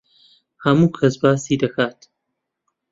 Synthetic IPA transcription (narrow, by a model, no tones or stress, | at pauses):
hɐmuːkʰɐsbaːsiːd̪ɐkʰaːt̪